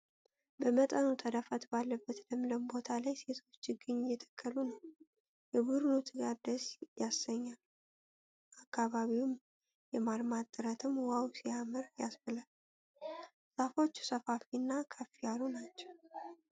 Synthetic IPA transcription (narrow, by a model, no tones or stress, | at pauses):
bəmət̪ʼənut̪ʰəd̪afat̪balːəbːət̪ləmləmbo̞t̪ʰalajse̞t̪ʰo̞t͡ʃːɨɡɨɲːjɛt̪ʰə̥kʰːəlunəw | jɛbuɾɨnut̪ʰɨɡad̪əsjasːəɲːal | ʔakːaβaβiwum | jɛmalmat̪ʼːɨɾət̪ʰɨmwawsiamɨɾjasfəlal | safot͡ʃːu̥səfafinːakʰəfijalunat͡ʃːɛw